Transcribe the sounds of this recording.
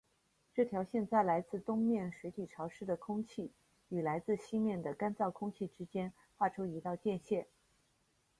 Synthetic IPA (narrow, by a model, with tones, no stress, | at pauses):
ʈ͡ʂɤ˥˩t̪ʰjɑ˧˥ʊɕjɛ˥˧nt͡sa˥˩ɪla˧˥ɪt͡sɹ̩˥˩t̪ʊ˥ŋmjɛ˥˩nʂwe˧˥ɪt̪ʰi˨˩ʈ͡ʂʰɑ˧˥ʊʂɻ̩˥d̪ə˨kʰʊ˥ŋt͡ɕʰi˥˩ | y˨˩la˧˥ɪt͡sɹ̩˥˩˧ɕi˥mjɛ˥˩nd̪ə˩ka˥nt͡sɑ˥˩ʊkʰʊ˥ŋt͡ɕʰi˥˩ʈ͡ʂɻ̩˥t͡ɕjɛ˥n | xwa˥˩ʈ͡ʂʰo˥i˧˥t̪ɑ˥˧ʊt͡ɕjɛ˥˧nɕjɛ˥˩n